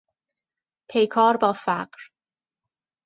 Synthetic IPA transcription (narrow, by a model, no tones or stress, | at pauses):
pʰejkʰɒːɾbɒːfæɢɾ